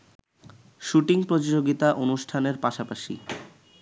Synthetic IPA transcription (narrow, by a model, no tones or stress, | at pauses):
ʃuʈiŋpɾod͡ʑid͡ʑoɡit̪aʔonuʃʈʰaneɾpaʃapaʃḭ